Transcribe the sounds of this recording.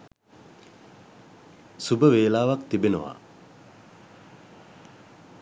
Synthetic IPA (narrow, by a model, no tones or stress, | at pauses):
subəʋeːlaːʋakt̪ibenə̰ʋa̰